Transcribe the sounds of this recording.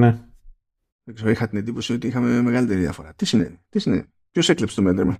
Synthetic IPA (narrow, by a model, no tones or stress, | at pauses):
ne | ekseoixɐt̪ined̪ipo̞sio̞t̪iixɐmeme̞ɣɐlit̪e̞ɾiðiɐ̰fo̞ɾɐt̪isinḛnit̪isinḛ | pço̞se̞klepst̪omend̪ɾ̰mɐ